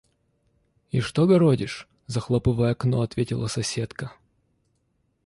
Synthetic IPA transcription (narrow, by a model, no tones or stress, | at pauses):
iʂt̪oɡɐɾodʲɪʂ | zɐxlˠopɨvəjəɐknoɐt̪vʲetʲɪlˠəsɐsʲe̞t̪kə